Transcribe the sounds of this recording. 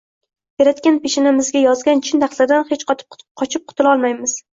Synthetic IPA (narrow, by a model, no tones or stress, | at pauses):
beɾat̪kʲanpʰeʃnamɪzɡʲajɒzɡʲant͡ʃʰɪnd̪ʰaχlad̪anhet͡ʃqʰɒt̪ʰɪ̥p̚qʰɒt͡ʃʰɪp̚qʰʊt̪ɪlˠɒlˠmajmɪz̥